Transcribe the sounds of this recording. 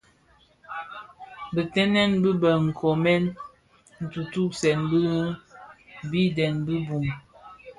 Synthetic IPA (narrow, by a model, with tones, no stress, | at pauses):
bə˨tɛ˦nɛ˦nbə˦bə˨ŋ̩˨kʰɔ˨mɛ˦n | n̩˨tu˨tu˦sɛ˨nbə˦ɣ | bi˦dɛ˨nbə˦bu˨m